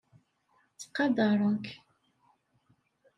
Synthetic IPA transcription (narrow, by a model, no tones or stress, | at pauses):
t͡sːə̥qːɑd̪ɑɾˤəŋk